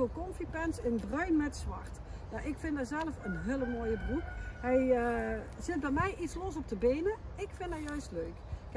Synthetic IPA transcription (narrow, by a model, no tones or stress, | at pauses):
okɔmfipɛnsɪnbrœɥnmɛtsʋɑ̰rt | jaʔɪkfɪndazɛlˠəfənɦɪləmoːjəbrukɦɛj | zɪt̚bɛjmɛjʔitslɔs̬ɔb̚dəbeːnəɪkfɪndajœɥstløɥk